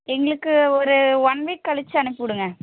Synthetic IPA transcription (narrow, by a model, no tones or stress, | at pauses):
ɛŋɡɐɭɯkːɯɔɾɯʋɐɳʋiːʈ̚kɐɭɪt͡ʃːɯɐɳɯpːɯʋɪɽɯŋɡɐ